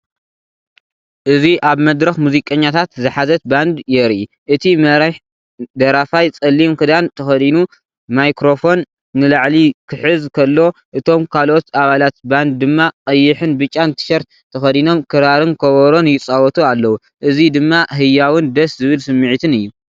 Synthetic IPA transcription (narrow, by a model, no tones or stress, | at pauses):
ʔɨziʔaβmɐd̪ɾɐxmuzikʼɐɲːat̪ʰat̪zɨħazɐt̪̚band̪jɛɾi | ʔɨt̪ʰimɐɾħ | d̪ɐɾafajt͡sʼɐlːimkɨd̪ant̪ʰɐxɐd̪inu | majkɾo̞fo̞nː | ɨlaʕlikʰɨħɨzkʰɐlːo̞ʔɨt̪ʰo̞mkʰalʔo̞t̪aβalat̪band̪̚ːɨmːaqʼɐjːɪħɨnbɨt͡ʃʼːant̪ʰɨ̥ʃɐɾt̪ | t̪ʰɐxɐd̪ino̞mkʰɨɾaɾɨnkʰɐβɐɾo̞njɪt͡sʼawɔt̪ʰʼualːɐwu | ʔɨzid̪ɨmːaɦɨjːawɨnd̪ɐszɨβɨlsɨmːɨʕɨt̪ʰɨnɨjːu